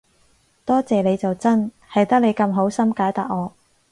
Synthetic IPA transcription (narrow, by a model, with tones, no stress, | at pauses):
t̪ɔː˥t͡sɛː˨le˨˧jt͡sɐ˨wt͡sɐ˥n | hɐ˨jt̪ɐ˥k̚le˨˧jkɐ˧mɦo˨˥wsɐ˥mkaː˨˥jt̪aː˨˩k̚ŋɔː˨˧